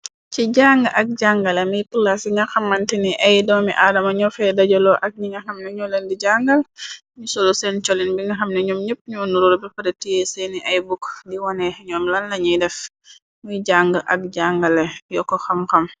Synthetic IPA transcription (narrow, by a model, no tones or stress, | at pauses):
ciɟaŋɡɐʔɐk̚ɟaŋɡɐlɛmijpulasiŋɡɐxɐmːɐntiniʔɐjdɔːmḭʔadɐmɐɲɔfɛdɐɟɔlɔʔɐk̚ɲiŋɡɐxɐmnɛɲɔlɛndiɟaŋɡɐl | ɲusɔlusɛnt͡ʃɔlinbiŋɡɐxɐmnɛɲɔmɲəp̚ɲunuɾuɾbɛpɐɾetijesɛniʔajbukdiwanɛɲɔːmlɐnlɐɲijdɛf | mujɟaŋɡɐʔɐ̰k̚ɟaŋɡɐlɛjɔkːɔxɐmxɐm